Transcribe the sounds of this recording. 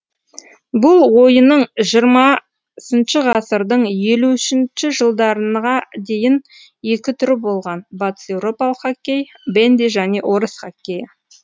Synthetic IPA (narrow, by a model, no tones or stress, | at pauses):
bʊlˠwo̞jənəɴʒijəɾmɑ | sənʃɪʁɑsəɾd̪əɴje̞luʏʃɪnʃɪʒəlˠd̪ɑɾənʁɑd̪e̞jɪn | je̞kʲɪt̪ʰʏɾɪbo̞lˠʁɑnbɑt̪ə̥sewɾo̞pɑlˠəqːakʲːej | bend̪eʒæne̞ʔo̞ɾəsχakʲːejə